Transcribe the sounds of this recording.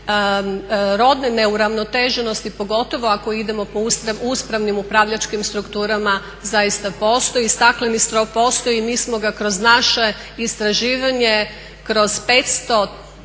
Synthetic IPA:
ɾo̞d̪nene̞uɾaʋnot̪eʒeno̞st̪ipo̞ɡo̞t̪o̞ʋo̞ako̞id̪e̞mo̞pousɾauspɾaʋnimupɾaʋʎat͡ʃkimst̪ɾukt̪uːɾama | zajist̪apo̞ːst̪o̞jist̪aklenist̪ɾo̞fpo̞ːst̪ojimiːsmo̞ɡakɾo̞znaʃe | ist̪ɾaʒiːʋaɲe̞ | kɾo̞z̥pe̞t̪st̪o̞

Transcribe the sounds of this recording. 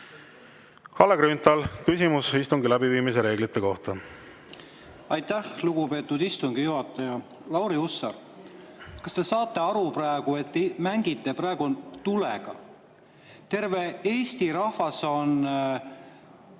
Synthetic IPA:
hɑleɡ̥ɾynt̪ˑɑlkysimusist̪uŋɡilæbiviːmis̬eɾe̞ːɡlit̪ːˑe̞ko̞ht̪ɑ | ɑjt̪ːæhluɡ̥upe̞ːt̪ːud̪ist̪uŋɡ̥ijuɦɑt̪ːˑɑjɑ | lɑwɾiusːɑɾ | kɑst̪e̞sɑːt̪ːˑe̞ɑɾuprɑeɡ̥ue̞t̪ːmæŋɡ̥it̪ːe̞prɑeɡ̥ut̪ulḛɡ̥ɑ̰ | t̪e̞rve̞eːst̪iɾɑhvɑso̞n

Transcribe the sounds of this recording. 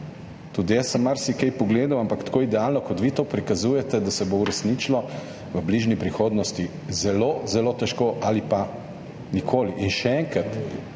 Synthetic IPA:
t̪ud̪ijɛsɛmːaɾsikɛjpɔɡleːd̪awampakt̪koːid̪ɛalnɔkɔt̪ʋiːt̪oːpɾikazuːjɛt̪ɛd̪asɛbouɾɛsniːt͡ʃlɔ | ʋəbliʒnipɾixoːd̪nɔst̪i | zɛloːzɛloːt̪ɛʃkoʔalipa | nikʰoːliʔinʃɛɛŋkɾat̪

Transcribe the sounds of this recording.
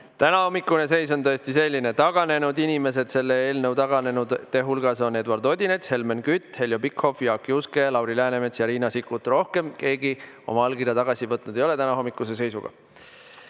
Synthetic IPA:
t̪ænɑho̞mːikːˑune̞se̞jso̞nt̪ɤ̞est̪ise̞lʲːine̞t̪ɑɡ̥ɑne̞nud̪inʲime̞s̬e̞d̪̥se̞lːe̞eːlnəwt̪ɑɡ̥ɑne̞nud̪t̪e̞ɦulɡ̥ɑso̞ne̞d̪wɑrd̪o̞d̪ʲine̞t̪she̞lmenkyt̪ːhe̞ljo̞bikho̞fjɑkːˑiuske̞lɑwɾilæːnemet̪sjɑɾiːnɑsikːˑut̪ːro̞hke̞mke̞ːɡi | o̞̰mɑɑlɡirjɑt̪ɑɡ̥ɑsivɤt̪ːˑnud̪e̞jo̞e̞t̪ænɑho̞mːikːˑuse̞s̬e̞jsuɡ̥ɑ̰

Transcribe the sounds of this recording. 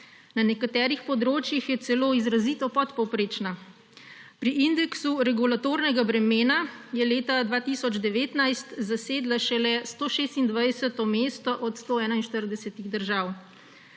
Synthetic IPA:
nanɛkat̪ɛːɾixpɔd̪ɾoːt͡ʃjixjɛt̪sɛloːizɾazit̪ɔpɔt̪pɔwpɾeːt͡ʃna | pɾiind̪ɛksuɾɛɡulat̪oːɾnɛɡabɾɛmeːnajɛleːt̪ad̪ʋaːt̪isɔd͡ʒd̪ɛʋeːt̪najst̪zaseːd̪laʃɛlɛst̪oːʃeːst̪ind̪ʋajsɛt̪ɔmeːst̪ɔʔɔt̪st̪oːɛːnainʃt̪əɾd̪ɛsɛt̪iɣd̪əɾʒaːw

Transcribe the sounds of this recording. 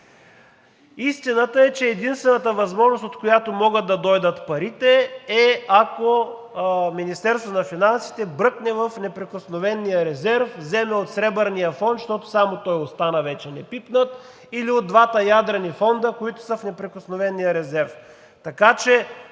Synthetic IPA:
ist̪inət̪əɛt͡ʃɛːd̪inst̪vɛnət̪əvɐzmɔʒnost̪ot̪kojat̪omɔɡət̪ːɐd̪ɔjd̪ət̪pɐɾit̪ɛɛako | minist̪ɛɾst̪vonɐfinansi̥t̪ɛbɾɤknɛvɐfnɛpɾɛkosnovɛnijəɾɛzɛɾfzɛmɛot̪sɾɛbəɾnijəfɔnt̪ʃt̪ɔt̪ʊ̥samot̪ɔjost̪anəvɛt͡ʃɛnɛpipnət̪ | iliod̪ːvat̪əjad̪ɾɐnifɔnd̪əkoit̪ʊ̥səfnɛpɾɛkosnovɛnijəɾɛzɛɾf | t̪ɐkat͡ʃɛ

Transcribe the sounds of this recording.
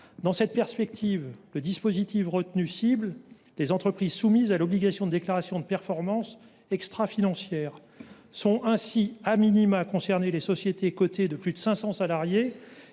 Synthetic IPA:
d̪ɑ̃sɛt̪̚pɛʁspɛkt̪ʰivləd̪ispozit̪ifʁət̪nysibl | lezɑ̃t̪χəpχizsumizalɔbliɡasjɔ̃d̪əd̪eklaʁasjɔ̃d̪əpɛʁfɔʁmɑ̃s | ɛkst̪χafinɑ̃sjɛːʁ | sɔ̃ʔɛ̃siaminimakɔ̃sɛʁnelesɔsjet̪ekot̪ed̪əplyd̪əsɛ̃sɑ̃salaʁje

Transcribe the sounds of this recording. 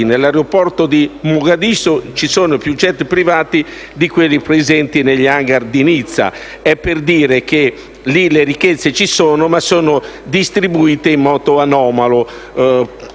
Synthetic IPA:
nelːaɾeopɔrt̪od̪imuɡad̪isot͡ʃisɔːnopjut͡ʃːɛt̪pɾivaːt̪i | d̪ikwelːipɾɛzɛnt̪ineʎːaŋɡaɾd̪init̪sːa̰ | ɛpːeɾd̪iːɾek̟e | lileɾikːɛt̪sːet͡ʃisɔːnʊmasɔːnʊd̪ist̪ɾibuiːt̪eimːɔːt̪oanɔːmalo

